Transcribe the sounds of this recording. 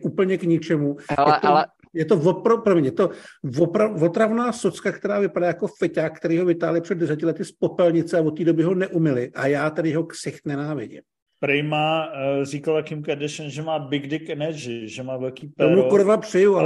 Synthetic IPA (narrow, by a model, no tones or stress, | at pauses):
ʔuːpl̩ɲɛkɲɪt͡ʃɛmujɛt̪o | jɛt̪o̞vopɾopɾomɲɛjɛt̪o̞vopɾavo̞t̪ɾavnaːsot͡skakt̪ɛɾaːvɪpadaːjako̞fɛcaːk̚kːt̪ɛɾiːɦo̞vɪt̪aːɦlɪpr̥ɛd̪̚dɛsɛcɪlɛt̪ɪspopɛlɲɪt͡sɛavot̪ːiːdo̞bɪɦo̞nɛʔumɪlɪʔajaːt̪ɛdɪjɛɦo̞ksɪxt̪nɛnaːvɪɟɪ̰m | pɾɛjmaːzikalt̪akimkɛdɛʃɛnʒɛmaːbɪɡdɪkɛnɛʒɪʒɛmaːvɛlkiːpɛomukoɾovapr̝̥ɪjual